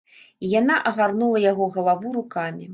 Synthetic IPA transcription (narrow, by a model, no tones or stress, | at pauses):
ijanaʔɐɣarnulˠɐjaɣɔɣɐlˠavuɾukamʲi